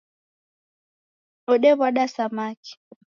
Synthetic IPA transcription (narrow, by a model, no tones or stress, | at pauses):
ɔɗɛβwaɗasamaki̥